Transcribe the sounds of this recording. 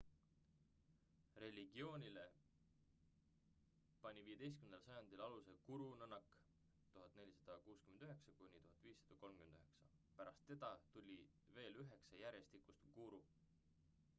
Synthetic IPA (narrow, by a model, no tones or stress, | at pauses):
re̞lʲiɡ̥io̞ːnʲile̞ | pɑnʲiviːje̞d̪e̞jst̪kymnelsɑjɑnd̪̥ilɑluse̞kuɾunɤnːɑkːˑ | t̪uɦɑt̪ːˑne̞lʲːisɑd̪̥ɑkuːskymend̪̥yɦe̞ksɑkunʲit̪uɦɑt̪ːˑviːsːɑ̥d̪̥ɑko̞lmkymend̪yɦe̞ksɑ | pæɾɑst̪ːe̞d̪̥ɑt̪ulʲi | ve̞ːlyɦe̞ksɑjæɾje̞st̪ikust̪kuɾu